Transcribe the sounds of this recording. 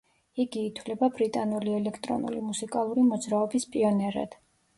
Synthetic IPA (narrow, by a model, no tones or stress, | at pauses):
iɡiːt̪ʰwlɛbabɾit̪ʼanuliɛlɛkʰt̪ʼɾɔ̰nṵlḭmusikʼalˠuɾimɔd̪zɾaɔbispʼiɔnɛɾa̰d̪̥